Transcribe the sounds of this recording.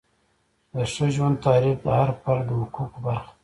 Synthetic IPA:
d̪əʂəʒwand̪̚t̪ɑɾifd̪əhaɾpald̪əhʊkukbaɾx

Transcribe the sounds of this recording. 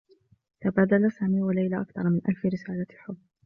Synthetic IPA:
t̪abaːd̪alasaːmiːwalajlaʔakθɑ̰ɾˤmɪnʔalfɪɾɪsaːlaħʊbː

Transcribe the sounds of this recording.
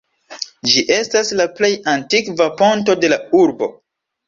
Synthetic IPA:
d͡ʒiʔe̞staslaple̞jantikvapo̞nto̞de̞lauɾbo̞̰

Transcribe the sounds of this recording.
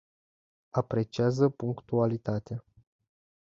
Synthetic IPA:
apɾe̞t͡ʃiazəpuŋkt̪ualit̪at̪ea

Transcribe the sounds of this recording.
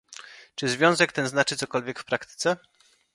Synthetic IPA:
t͡ʂɘzvʲjɔ̃w̃zɛk̚t̪ɛnznat͡ʂɘt̪sɔkɔlvʲjɛkfpɾakt̪ɘ̥t̪sɛ

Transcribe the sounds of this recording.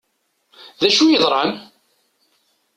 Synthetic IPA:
ðæʃujəðˤɾˤɑn

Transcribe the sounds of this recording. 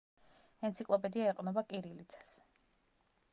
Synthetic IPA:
ɛnt̪sʰikʼlˠɔpʼɛd̪iaɛqʼnɔbakʼiɾilit̪sʰḁs

